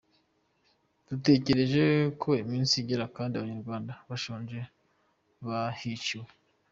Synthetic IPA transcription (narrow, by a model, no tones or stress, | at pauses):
d̥ute̞ce̞ɾe̞ʒe̞kʰo̞imiːnsiɟeɾakaːndiaβaɲaɾɡwaːndaβaʃoːnʒe | βahiciwe